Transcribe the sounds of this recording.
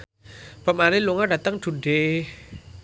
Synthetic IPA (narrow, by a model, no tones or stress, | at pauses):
b̥a̤maneluŋaɖa̤t̪əŋd̪̥ṳɳɖe